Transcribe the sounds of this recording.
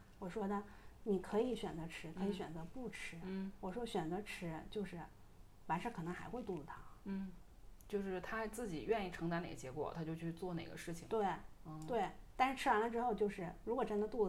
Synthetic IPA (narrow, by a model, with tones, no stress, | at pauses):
wɔ˨˩ʂwɔ˥d̪ə˧ni˨˩kʰɤ˧˥i˧˥ɕɥɛ˨˩nt͡sɤ˧˥ʈ͡ʂʰɻ̩˧˥kʰɤ˧˥i˧˥ɕɥɛ˨˩nt͡sɤ˧˥pu˥˩ʈ͡ʂʰɻ̩˧˥˩wɔ˨˩ʂwɔ˥ɕɥɛ˨˩nt͡sɤ˧˥ʈ͡ʂʰɻ̩˧˥t͡ɕjo˥˧ʊʂɻ̩˥˩ | wa˧˥nʂɻ̩˥˩kʰɤ˨˩nɤ˧˥ŋxa˧˥ɪxwe˥˧ɪu˥˩lə˨˩t̪ʰa˥n̩˥˩ | t͡ɕjo˥˧ʊʂɻ̩˥˩t̪ʰa˥t͡sɹ̩˥˩t͡ɕi˨˩ɥɛ˥˧ni˥˩ʈ͡ʂʰɤ˧˥ŋt̪a˧˥ne˨˩ɡə˦˩t͡ɕjɛ˧˥kwɔ̰˨˩t̪ʰa˥t͡ɕjo˥˧ʊt͡ɕʰy˥˧t͡swɔ˥˩ne˨˩ɪɡə̰˦ʂɻ̩˥˩t͡ɕʰi˨˩ŋt̪we˥˩ɪ˧˩ | we˥˩ɪt̪a˥˧nʂɻ̩˥˩ʈ͡ʂʰɻ̩˥wa˧˥lə˧ʈ͡ʂɻ̩˥xo˥˧ʊt͡ɕjo˥˧ʊʂɻ̩˥˩ɻu˧˥kwɔ˨˩ʈ͡ʂə˥nd̪ə˧t̪u˥˩